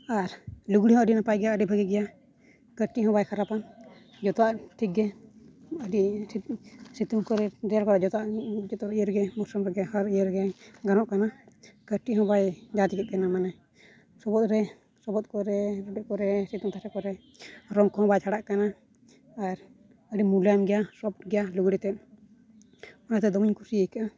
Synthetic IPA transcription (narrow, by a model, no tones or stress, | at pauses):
aɾluɡɽiɦɔ̃əɖinapajɡɛjaəɖibʱəɡɛɡɛja | kəʈiɦɔ̃bajkʰaɾapan | d͡ʒɔt̪ɔaʔt̪ʰiɡɛ | əɖi | sit̪umkɔɾɛɾɛjaɾkɔɾɛd͡ʒɔt̪aʔd͡ʒɔt̪ɔɾijəɾɡɛmusɔmɾɛɡɛhaɾijəɾɡɛɡanɔʔkanakəʈiʔɦɔ̃bajd͡ʒat̪ikɛt̪̚kanamanɛ | sɔbɔt̪̚ɾɛ | sɔbɔt̪̚kɔɾɛɾɔɖɛʔkɔɾɛsit̪umt̪ʰasɛkɔɾɛ | ɾɔŋkɔhɔ̃bajt͡ʃʰaɽaʔkana | aɾ | əɖimulamɡɛjasɔp̚ɡɛjaluɡɽit̪ɛt̚ | ɔnat̪ɛd̪ɔmiɲkʰusiəjkaʔa